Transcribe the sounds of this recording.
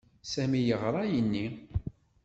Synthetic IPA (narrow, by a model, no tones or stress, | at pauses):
sæmijəʁɾˤɑjənːi